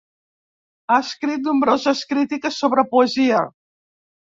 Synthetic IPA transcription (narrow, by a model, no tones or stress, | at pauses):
aəskɾit̪̚numbɾozəskɾit̪ikəsːoβɾəpuəziə